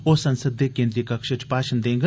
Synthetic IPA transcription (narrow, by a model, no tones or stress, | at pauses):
oːsənsəd̪ːeːkẽːnd̪ɾiːkəkʃət͡ʃpaːʃənd̪ẽːŋɡ